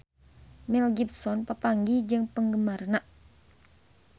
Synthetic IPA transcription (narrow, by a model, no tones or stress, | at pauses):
milɡip̚sɔnpəpaŋɡid͡ʒɨŋpəŋɡəmarnaʔ